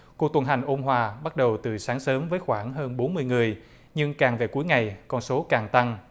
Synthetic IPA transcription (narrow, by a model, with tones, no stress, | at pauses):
ku˨˩ək̚t̪wnɦa˨˩ŋ̟ʔo˧mɦwaː˨˩ɓa˦˥t̚ɗə˨˩wt̪ɨ˨˩saː˨˦ŋsəː˨˦mvəː˨˦jxwaː˧˩ŋɦəː˧nɓo˨˦nmɨ˧əjŋɨ˨˩əj | ɲɨ˧ŋkaː˨˩ŋve˨˩ku˨˦jŋa˨˩jkɔ˧nso˨˦kaː˨˩ŋt̪a˧ŋ